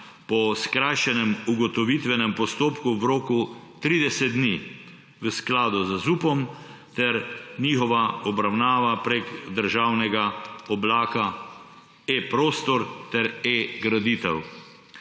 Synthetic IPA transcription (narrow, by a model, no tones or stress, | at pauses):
pɔskɾajʃɛnɛmuɡɔt̪ɔʋit̪ʋɛnɛmpɔst̪oːpkuwɾoːkut̪ɾiːd̪ɛsɛd̪̚d̪ni | ʋəsklaːd̪uzzuːpɔm | t̪ɛɾniːxɔʋaɔbɾawnaːʋapɾeɡd̪əɾʒaːwnɛɡaɔblaːka | epɾoːst̪ɔɾt̪ɛɾeɡɾad̪iːt̪ɛw